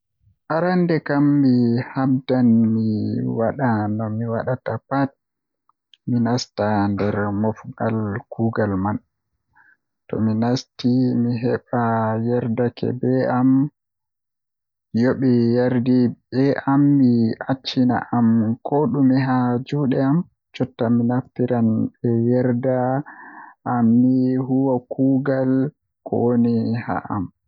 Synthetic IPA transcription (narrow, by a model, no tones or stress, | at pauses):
ʔaɾandɛkamːihamdanmiwaɗanɔmiwaɗatapat̚ | minastandɛɾmɔfɡalkuːɡalman | tɔ̰minastimiɦɛɓajɛɾdakɛ̰bɛam | joɓɛjaɾdibɛʔamːiat͡ʃːina̰ʔamkʰɔɗumːiɦad͡ʒuːɗɛam | t͡ʃɔtːaminaftiɾanbɛjɛɾda | ʔːmːiɦuwakuːɡal | kɔ̰woniha̰ʔa̰m